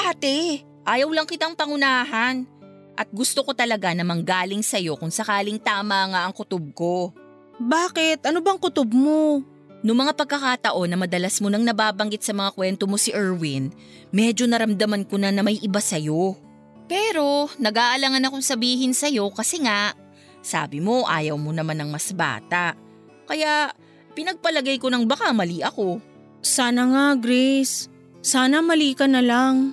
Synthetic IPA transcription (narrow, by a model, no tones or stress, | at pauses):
ʔaːt̪ɛ | ʔaːjɐwlɐŋkɪt̪aŋpɐŋʊnaːɦɐn | ʔɐt̪̚ɡʊst̪oko̞t̪ɐlɐɡanɐmɐŋɡaːlɪŋsɐjo̞kʊŋsɐkaːlɪŋt̪aːmɐŋaʔɐŋkʊt̪ob̚ko̞ | baːkɪt̪ʔɐnobaɐɐŋkʊt̪ob̚mo̞ | nʊŋmɐŋapɐɡ̚kːɐkaːt̪ɐʔo̞nːɐmɐd̪ɐlasmo̞nɐŋnɐbaːbɐŋɡɪt̪sɐmɐŋakwɛnt̪o̞mo̞siʔɛɹwin | mɛːd͡ʒo̞nɐɾɐmd̪ɐmɐnkonɐnɐmɐjʔɪbasɐjo̞ | pɛːɾo̞nɐɡaːʔɐlɐŋɐnɐkoŋsɐbiːɦɪnsɐjo̞kɐsɛŋaʔ | sa̰ːbɪmo̞ʔa̰ːjɐwmo̞nɐmanːɐŋmɐsba̰ːt̪aʔ | kɐjaʔ | pɪnɐɡ̚pɐlɐɡajko̞nɐŋbɐkamɐliʔɐko̞ | saːnɐŋaɡɾɛsː | aːnɐmɐliːkɐnɐlaŋ